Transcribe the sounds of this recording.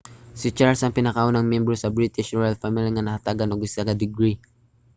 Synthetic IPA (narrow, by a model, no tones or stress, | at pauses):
sɪt͡ʃaɹlsɐŋpɪnɐkaʔonɐŋmjɛmbɾosɐbɾit̪ɪʃɹojalfamɪliŋɐnɐhat̪aːɡɐnoɡɪsaɡɐd̪ɪɡɾi